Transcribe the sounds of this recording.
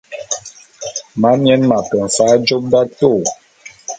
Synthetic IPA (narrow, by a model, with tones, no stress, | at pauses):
ma˨˦m˦ɛ˦nma˨kɔ˨faː˨˦d͡ʒo˦p̚da˦to˦˨